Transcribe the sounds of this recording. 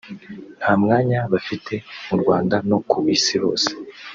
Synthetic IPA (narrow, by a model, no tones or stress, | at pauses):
n̥haːmŋaːɲaβafitʰe̞muɾɡwaːndano̞kuβiːsiβo̞̰ːse̥